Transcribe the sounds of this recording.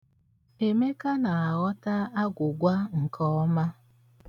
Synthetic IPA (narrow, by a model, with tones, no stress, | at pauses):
e˨me˦ka˦na˨a˨ɣɔ˦ta˦a˦ɡʷʊ˨ɡʷa˦ŋ̩˨kʰɔ˦ɔ˦ma˦